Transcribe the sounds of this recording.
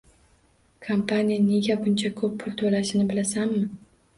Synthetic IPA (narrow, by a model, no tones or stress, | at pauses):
kʰompʰanʲijane̞ɡʲabʊnt͡ʃʰakʰɵpːʰʊlt̪ʰɵlaʃɪnɪbɪlasamːɪ